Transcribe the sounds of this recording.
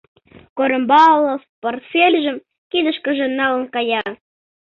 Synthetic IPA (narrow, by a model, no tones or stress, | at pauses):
koɾə̆mbɑlˠːəfport̪fʲelʲʒə̆m | kid̪ə̆ʃkə̆ʒĕnɑlə̆nkɑjɑ